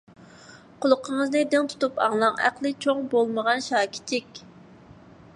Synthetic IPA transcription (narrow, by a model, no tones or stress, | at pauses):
qʰʊlˠʊqʰəŋəznɨd̪ɪŋt̪ʰu̥t̪upʰɑ̰ŋlˠɑŋæ̰qlˠɨt͡ʃʰoŋbolˠməʁɑnʃɑːkʲʰi̥t͡ʃʰikʲ